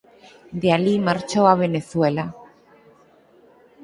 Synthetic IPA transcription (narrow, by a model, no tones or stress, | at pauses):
d̪ealimaɾt͡ʃoaβ̞eneθwela